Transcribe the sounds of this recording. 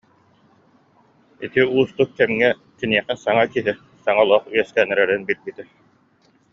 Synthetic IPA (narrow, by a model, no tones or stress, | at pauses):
it̪iuːst̪uk̚kɛmŋɛ | k̪iniɛχɛsaŋakiɦi | saŋalˠuɔχyjɛskɛnɛɾɛɾinbilbit̪ɛ